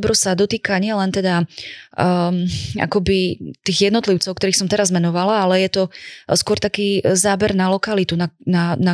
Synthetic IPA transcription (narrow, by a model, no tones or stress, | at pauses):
bɾɔsad̪ɔt̪iːkaɲɪɛlɛnt̪ɛd̪a | a̰kɔbit̪iːɣjɛd̪nɔt̪liʊt͡sɔʊkt̪ɔɾiːxsɔmt̪ɛɾazmɛnɔʋalaalɛjɛt̪ɔskwɔɾt̪akiːzaːbɛɾnalɔkalit̪unanana